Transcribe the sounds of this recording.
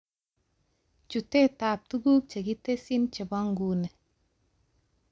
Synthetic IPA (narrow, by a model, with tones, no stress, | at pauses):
t͡ʃu˨te˦ta˨p̚tu˦ɡu˦k̚t͡ʃe˨ɡi˦te˦sɪ˦nt͡ʃɛ˨bɔ˦ŋɡu˨ne˨